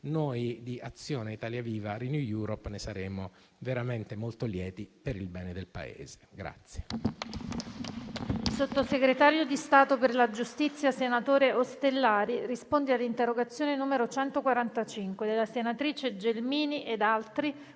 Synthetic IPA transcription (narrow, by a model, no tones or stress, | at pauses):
nojd̪iat̪sːjoːneit̪aːljaviːvaɾinjujuːɾɔpnesaɾeːmo | veɾament̪emolt̪oljɛːt̪ipeɾilbɛːned̪elpa̰ḛːz̥e̥ɡɾa̰t̪sːje | ilsot̪ːoseɡɾet̪aːɾjod̪ist̪aːt̪operlad͡ʒust̪it̪sːjasenat̪oːɾeʔost̪elːaːɾirispond̪ealːint̪erːoɡat̪sːjoːnenuːmeɾot͡ʃɛnt̪okwaɾant̪at͡ʃiŋkwed̪elːasenat̪ɾiːt͡ʃed͡ʒelmiːniʔed̪alt̪ɾi